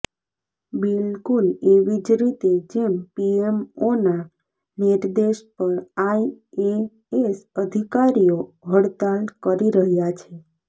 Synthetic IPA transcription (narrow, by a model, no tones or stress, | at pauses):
bilkuleʋid͡ʒɾit̪ed͡ʒempiemona | niɾd̪eʃpəɾaie | esəd̪ʱikaɾijoɦəɽt̪alkəɾiɾəɦjat͡ʃʰe